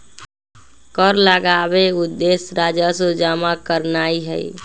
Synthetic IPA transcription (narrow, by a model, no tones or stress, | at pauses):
kəɾləɡabeud̪ːesɾad͡ʒasod͡ʒamakəɾnaiɦəḭ